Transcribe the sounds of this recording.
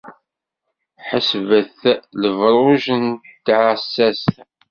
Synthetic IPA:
ħəsvəθləvɾˤuʒənt̪ːʕəsːæs

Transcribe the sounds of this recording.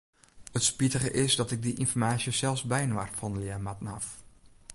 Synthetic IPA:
hətspitəχəʔɪsdɑtɪɡ̚diʔɪnfɔɹmaːsjəsɛlˠfzbɛjnwa̰rfɔndəlɪərmɑtənɑf

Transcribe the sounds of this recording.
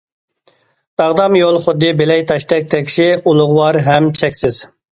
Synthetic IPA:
d̪̥ɑʁd̪ɑmjolˠχʊd̪ːɨbelɛjt̪ʰɑʃt̪ʰɛk̚ʲt̪ʰɛkʲʃiulˠʊʁwɑɾɦɛmt͡ʃʰɛkʲsɪz̥

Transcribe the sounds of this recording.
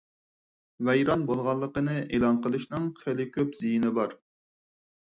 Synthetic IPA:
vɛjɾɑnbolˠʁɑlˠːəqənɨʔelˠɑnqəlˠɨʃnɨŋχelɪkʲʰøpz̥ijinɪbɑɾ

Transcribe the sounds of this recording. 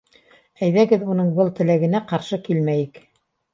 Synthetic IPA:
æjðæɡɘðunɤɴbɤlˠt̪ɘ̆læɡɘ̆næqɑɾʃɤkilmæjɘk

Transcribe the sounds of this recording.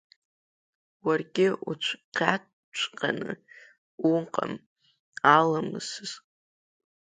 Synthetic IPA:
warɡʲɪʔṵt͡ʃʷʰqʲa | t͡ʃʷʰʼqʼanɨ̰ | uɴqʼa̰m | alamɨ̰sɨz̥

